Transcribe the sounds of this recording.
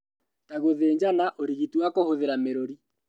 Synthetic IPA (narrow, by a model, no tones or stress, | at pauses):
taɣoðeːɲd͡ʒanaʔoɾiɣitiwakohoðeɾameɾoɾi